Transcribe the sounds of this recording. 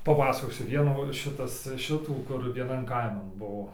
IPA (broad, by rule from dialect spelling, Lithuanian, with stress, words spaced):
pɐˈpɑːsɐkoːsʲʊ ˈʋʲiɛnuː ˈʃʲɪtɐs ˈʃʲɪtuː kʊr ʋʲiɛˈnɐn ˈkɐɪmɐn ˈbuɔ